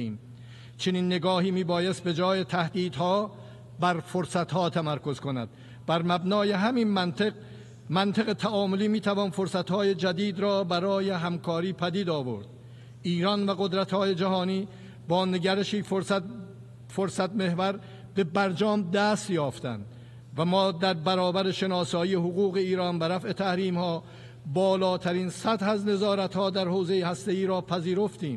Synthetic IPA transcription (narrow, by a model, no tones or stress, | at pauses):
iːm | t͡ʃʰe̞niːnːe̞ɡɒːhiːmiːbɒːjest̪̚be̞d͡ʒɒːjet̪ʰæhd̪iːd̪hɒː | bæɾfo̞ɾsæt̪hɒːt̪ʰæmæɾko̞zkonæ̰d̪̥ | bæɾmæbnɒːje̞ɦæmin | mænt̪ʰeɣe̞t̪ʰæʔɒːmoliːmiːt̪ʰævɒːnfo̞ɾsæt̪hɒːje̞d͡ʒæd̪iːd̪ɾɒːbæɾɒːje̞ɦæmkʰɒːɾiːpʰæd̪iːd̪ɒːvo̞̰ɾd̪̥ | ʔiːɾɒnvæɣo̞d̪ɾæt̪hɒːje̞d͡ʒæɦɒːniː | bɒːne̞ɡæɾeʃiː | foɾsæt̪̚me̞hvæɾ | be̞bæɾd͡ʒɒːmd̪æst̪jɒːft̪æ̰nd̪ | væmɒːd̪æɾbæɾɒːbæɾe̞ʃe̞nɒːsɒːiːeɦoɣuːɣe̞iːɾɒːnbæɾæfʔe̞t̪ʰæhɾiːmhɒː | bɒːlɒːt̪ʰæɾiːnsæt̪hæzne̞zɒːɾæt̪hɒːd̪æɾhoːze̞jehæst̪e̞iːɾɒːpʰæziːɾo̞ft̪iːm